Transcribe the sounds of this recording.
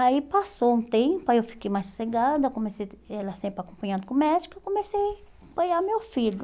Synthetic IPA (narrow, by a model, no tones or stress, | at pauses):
aipasowũt̪ẽpʊaewfi̥kejmajsu̥seɡad̪ɐkõmesejɛlɐsẽpɾakõpɐ̃ɲãd̪ʊkõmɛd͡ʒikʊkõmesej | pɐjamewfiʎʊ